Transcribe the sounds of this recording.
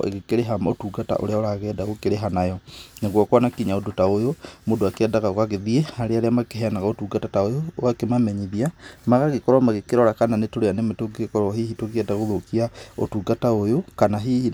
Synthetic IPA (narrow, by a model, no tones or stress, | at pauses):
ḛɣekeɾeɦamaotuːɡata̰ʔo̰ɾeaoɾaɣɛdaɣokeɾeɦanajɔneɣwɔkwanakiɲaodotaojomodoakeɛdaɣaɣoaɣeðiehaɾeaɾeamakeɦeanaɣaotuːɡatataojoakemamɛɲiðiamaɣaɣekɔɾwamaɣekeɾɔɾakananetoɾeanemetoɡekɔɾɔɦihitoɣiɛdaɣoðokiao̰tuɡataojokanaɦihi